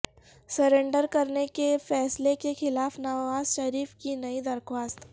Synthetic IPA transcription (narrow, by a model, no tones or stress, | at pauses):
sɐɾẽːɳɖəɾkɐɾnekefɛːslekexɪlaːfnaːʋaːzʃɐɾiːfkinɐid̪ɐɾxwaːst̪